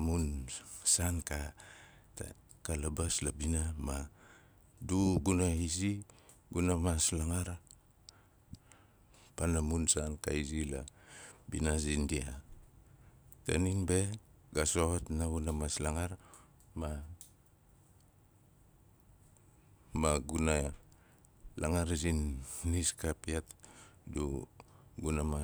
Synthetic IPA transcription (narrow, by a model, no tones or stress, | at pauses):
munsanka | kalabaslabinama | duɡunaisi | ɡunamaslaŋaɾ | panamunsanka̰izilabinasindia | ta̰ninbe̞ɡasotnaɡunamaslaŋaɾ | ma | maɡuna | laŋaɾzinːiskapiatdu | ɡunama